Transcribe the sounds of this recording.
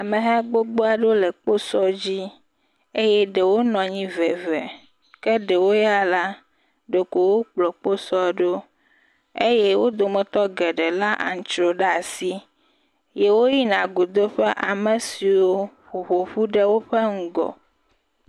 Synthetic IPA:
a˨mẽ˨ɦɛ˦ɡ͡bo˦ɡ͡bo˦a˨ɖo˦le˨k͡po˦sɔ˦d͡ʑi˦ | e˦jɛ˦ɖe˨wo˦nɔ̃˨ɲĩ˦vɛ˨vɛ˨ | ke˦ɖe˨wo˦ja˦la˦ | ɖo˨ko˨wo˦k͡plɔ˨k͡po˦sɔ˦ɖo˦ | e˦jɛ˦wo˦d̪o˨mɛ̃˨t̪ɔ˦ɡɛ˨ɖe˨la˦ʔa̰˨ŋ̩˨t͡ʃɾo˨ɖa˨si˦ | je˦wo˦ji˦nã˨ɡo˨d̪o˦ɸɛ˦ʔa˨mẽ˨si˨wo˦ɸu˨ɸo˨ɸu˦ɖe˦wo˦ɸe˦ŋ̩˦ɡɔ̰˨

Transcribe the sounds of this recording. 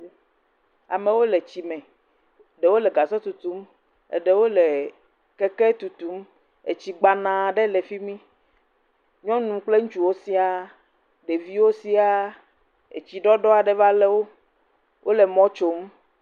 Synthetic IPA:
a̰˨mẽ˨wo˦le˨t͡ɕi˨mɛ̃˨ | ɖe˨wo˦lɛ˨ɡa˨sɔ˦t̪u˨t̪u˨˦m | ḛ˨ɖe˨wo˦le˨ | kɛ˦kɛ˦t̪u˨t̪u˨˦m | e˨t͡ɕi˨ɡ͡ba˨nã˨ɖɛ˦le˨fi˦mĩ˦ | ɲɔ̃˦nũ˨k͡ple˦ŋũ˦t͡ʃu˦wo˦si˦a˨ | ɖe˨vi˦wo˦si˦a˨ | ḛ˨t͡ɕi˨ɖɔ˦ɖɔ˦a˨ɖɛ˨va˦le˦wo˦ | wʔo˦le˨mɔ̃˦t͡ʃo˨m

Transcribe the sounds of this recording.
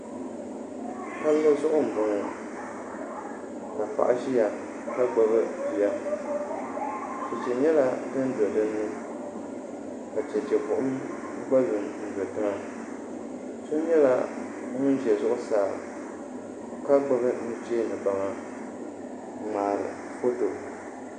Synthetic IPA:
ka˦lːɨ˦zʊ˦ʔʊ˦m̩˨bʊ˨ŋɨ˨ | ka˨pa̰˨ʔa̰˦ʃi˦ja˨ | ka˦ɡ͡ba˦βɨ˦bi˨ja˦ | t͡ʃɛ˨t͡ʃɛ˨ɲɛ˦la˦tɨ˦n˦zɨ˨dɨ˦nːɨ˦ | ka˨t͡ʃɛ˨t͡ʃɛ˨kʊ˨ʔʊ˦m˦ | ɡ͡ba˦zɨ˨nn̩˨zɨ˨tɨ˦ŋa˦ | so˦ɲɛ˦la̰˦˨ | ŋʊ˦n˦ʒɛ˨zʊ˦ʔʊ˦saː˨ | ka˦ɡ͡ba˦bɨ˦nɨ˦t͡ʃeː˦nɨ˨ba˨ŋa˨ | maː˨ɾɨ̰˨ | fo˦to˨

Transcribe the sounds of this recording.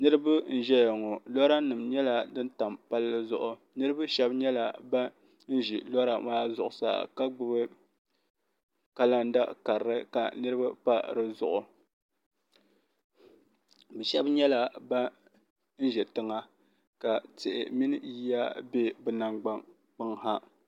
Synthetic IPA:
nɨ˦ɾɨ˦ba˦n̩˦ʒɛ˦ja˨ŋɔ˨lɔ˦ɾa˦nɨ˨mɲɛ˦la˦dɨ˦nta˨mpa˦lːɨ˦zʊ˨ʔʊ˨ | nɨ˦ɾɨ˦ba˦ʃɛ˦bɲɛ˦la˨ba˦ | n̩˦ʒi˨lɔ˦ɾa˨maː˦zʊ˨ʔʊ˨sa̰˨ka˦ɡ͡bɨ˦bɨ˦ | ka˦la˦n˦da˦ka˨ɾɾɨ˦ka̰˨nɨ˦ɾɨ˦ba˦pa˦ɾɨ˦zʊ˨ʔʊ˨ | bɛ˨ʃɛ˦bɲɛ˦la˦ba˦ | n̩˦ʒɛ˨tɨ˦ŋa˦ | ka˨tɪ˨ʔɪ̰˨mi˦nɨ˦ji˦ja˦be˦bɨ˨na˨ŋɡ͡ba˦ŋ | k͡pɨ˦ŋha˦

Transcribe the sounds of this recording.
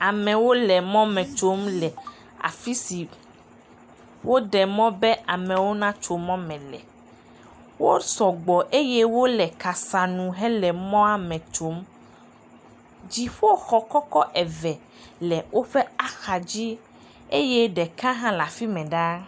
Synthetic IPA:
a˨mɛ̃˨wo˦lɛ˨mɔ̃˦mɛ̃˨t͡ʃo˦mlɛ˨ | a̰˨fi˦si˨ | wo˦ɖɛ˨mɔ̃˦bɛ˦ʔa˨mɛ̃˨wo˦nã˦t͡ʃo˨mɔ̃˦mɛ̃˨lɛ̰˨ | wo˦sɔ˨ɡ͡bɔ˨ʔe˦jɛ˦wo˦lɛ˨ka˨sa˨nũ˨ɦɛ˦lɛ˨mɔ̃˦a˦mɛ̃˨t͡ʃo˨˦m | d͡ʑi˨ɸo˦xɔ˨kɔ˦kɔ˦ʔɛ˨vɛ˨ | lɛ˨wʔo˦ɸɛ˦a˦xa˨d͡ʑi˦ | e˦jɛ˦ɖɛ˨kã˦ɦã˦la˨fi˦mɛ̃˨ɖa˦

